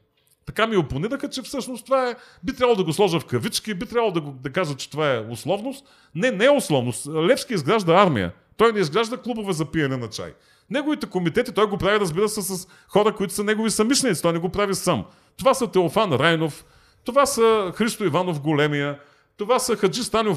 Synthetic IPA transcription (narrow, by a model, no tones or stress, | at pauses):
t̪ɐkamioponiɾəxət͡ʃɛfsɤʃnost̪ovaɛbit̪ɾʲabəlˠod̪ɐɡoslˠɔʒəfkɐvit͡ʃkibit̪ɾʲavəlˠod̪ɐɡod̪ɐkazvət͡ʃɛ̥t̪ovaɛʊslˠɔvnost̪ | nɛnɛɛʊslˠɔvnost̪lɛfskʲiizɡɾaʒd̪ɐaɾmḭjə̰ | t̪ɔjnɛizɡɾaʒd̪əklˠubovɛzɐpijɐnɛnɐt͡ʃa̰j | nɛɡovit̪ɛkomit̪ɛt̪it̪ɔjɡopɾaviɾəzbiɾəsɛsɐs | xɔɾəkoit̪ʊ̥sɐnɛɡovisɐmiʃlʲɛnit̪si̥t̪ɔjnɛɡopɾavisam | t̪ovasɐt̪ɛofanɾajnof | t̪ovasɐxɾist̪oivanofɡolɛmijə | t̪ovasəxɐd͡ʒist̪ano